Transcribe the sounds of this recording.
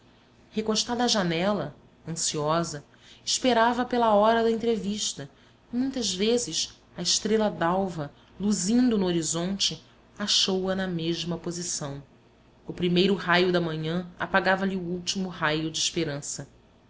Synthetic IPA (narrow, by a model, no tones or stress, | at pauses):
hekoʃt̪ad̪ɐːʒanɛlɐ | ɐ̃siɔzɐ | ɪʃpeɾavɐpelɐɔɾɐd̪ɐẽnt̪ɾeviʃt̪ɐ | mũj̃t̪ɐzvezɪs | ɐɪʃt̪ɾelɐd̪awvɐ | luzĩnd̪ʊnʊoɾizõnt͡ʃɪ | aʃowɐnɐmeʒmɐpozisɐ̃w̃ | ʊpɾimejɾʊɦajʊd̪ɐmɐ̃ɲɐ̃a̰paɡavɐliuuwt͡ʃimʊɦajʊd͡ʒɪiʃpeɾɐ̃sɐ